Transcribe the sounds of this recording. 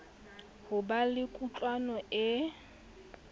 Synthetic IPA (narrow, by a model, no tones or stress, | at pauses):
hʊbalɪkʼut͡ɬʼwanɔɪ